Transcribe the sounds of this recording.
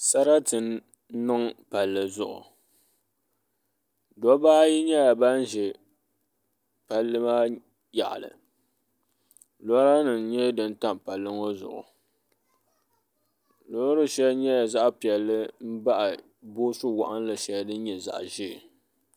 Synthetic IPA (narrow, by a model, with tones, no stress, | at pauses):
sa˦ɾa˦tɨ˨n˦ | nɨ˦ŋpa˨lːɨ˨zʊ˨ʔʊ̰˨ | dɔ˦baː˦ji˦ɲɛ˦ja˨ba˦n̩˦ʒɪ˨ | pa˨lːɨ˦maː˦ | ja̰˨ʔa̰˨lɨ̰˨ | lo˦a˦nɨ˨ɲɛ˦dɨ˦n̩˦ta˦m˨pa˨lːɨ˦ŋo˦zʊ̰˨ʔʊ̰˨ | lo˦ɾɨ˦ʃɛ˦ɲɛ˦ja˨za˦ʔpi˨ɛ˨lːɨ˦m̩˦ba˦ʔa˨ | boː˦sʊ˦wa̰˨ʔa˦n˦lɨ˨ʃɛ˨dɨ˦n˦ɲɛ˨za̰˨ʔʒɪ˦˨